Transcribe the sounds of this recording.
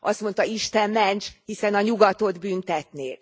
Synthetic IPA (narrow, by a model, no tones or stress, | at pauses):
ʔɒst̪mo̞nt̪ɒiʃt̪ɛmːɛnt͡ʃhisɛnɒɲuɡɒt̪o̞d̪byːnt̪ɛt̪neːl